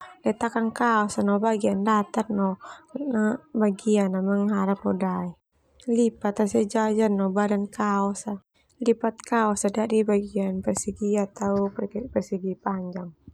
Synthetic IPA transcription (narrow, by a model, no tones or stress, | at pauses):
lɛt̪akankaɔsanɔbaɡiandat̪arnɔnabaɡianːamaŋɦaɾapɔdai | lipat̪asɛd͡ʒad͡ʒanːɔbadankaɔsa | lipat̪̚kaɔsadaʔdibaɡianpɛrsiɡiat̪auppɛrsiɡipaɲd͡ʒaŋ